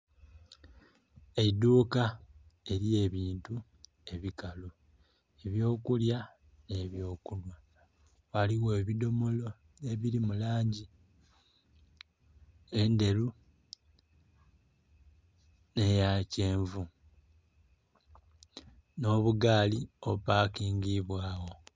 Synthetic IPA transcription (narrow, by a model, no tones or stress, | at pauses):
eduːkae̞ɾie̞ːβiːntu | e̞βikalo | eβjo̞ːkulja | ne̞βjo̞ːkulwa | waliɣeːβido̞mo̞lo̞ | eβiɾimulaːɲɟi | e̞nde̞lu | ne̞jaceːɱvu | no̞βuɡaːliopaːkiːŋɡiβwaːwo̞